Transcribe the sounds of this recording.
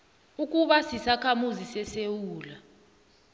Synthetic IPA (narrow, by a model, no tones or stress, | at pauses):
ukʼuɓasisakʰamuzisɛsewuːla